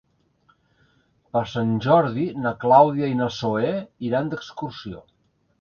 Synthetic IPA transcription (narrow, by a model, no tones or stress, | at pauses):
pəɾsanʲʒɔɾðinəklawðiəinəsoeiɾand̪əkskuɾsio̰